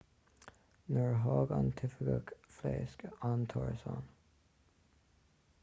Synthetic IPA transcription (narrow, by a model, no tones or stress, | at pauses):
nəɹɦɑːɡɑnt̪ʰɪfəɡəkfleːskəɑnt̪ʰɔɹsɑːn